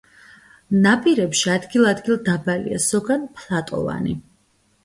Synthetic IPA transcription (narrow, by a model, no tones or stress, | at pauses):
napʼiɾɛpʃiad̪ɡilˠad̪ɡilˠd̪abalḭa̰sɔɡanpʰlˠat̪ʼɔ̰va̰nḭ